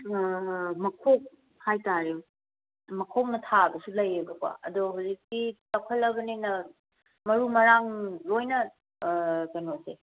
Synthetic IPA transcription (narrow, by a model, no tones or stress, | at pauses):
mɐkʰok̚ | hajtaɾew | mɐkʰok̚nɐtʰaɐbɐsulɐjeɡɐka̰ɐ̰doɦozik̚sitɐkʰɐlɐbɐninɐ | mɐɾumɐɾaŋlojnɐ | tɐnose